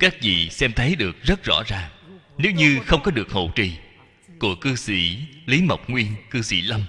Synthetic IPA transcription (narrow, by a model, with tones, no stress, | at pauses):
kaː˦˥k̚zḭ˧˨sɛ˧mt̪ʰə˨˦jɗɨ˨˩ək̚zə˦˥t̚zɔ̰˧˥zaː˨˩ŋ | ne˨˦wɲɨ˧xə˧wŋ͡mkɔ˨˦ɗɨ˨˩ək̚ho̰˧˨t͡ɕḭ˧˨ | ku˧˩əkɨ˧sḭ˧˩li˨˦mə˨˩wk͡p̚ŋwi˧ənkɨ˧sḭ˧˩˥lə˧m